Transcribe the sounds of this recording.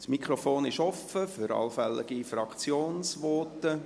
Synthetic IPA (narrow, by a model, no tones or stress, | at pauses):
smikχɾɔfoːnɪʃɔfəfʏɾɑ̰lfɛlːɪ̰ɡifrɑkt͡sjoːnsʋɔtə